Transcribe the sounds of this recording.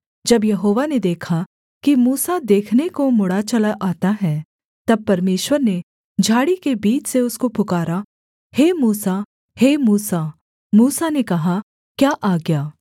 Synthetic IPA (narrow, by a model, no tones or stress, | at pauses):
d͡ʒɐbjɐɦoːʋaned̪eːkʰa | kimuːsad̪eːkʰnekomʊɽat͡ʃɐlaʔaːt̪aɦɛ | t̪ɐb̚pɐɾmeːʃwəɾne | d͡ʒʱaːɽikebiːt͡ʃʰseʊskopʊkaːɾa | heːmuːsa | heːmuːsa | muːsanekɐɦa | kjaːʔaːɡjaː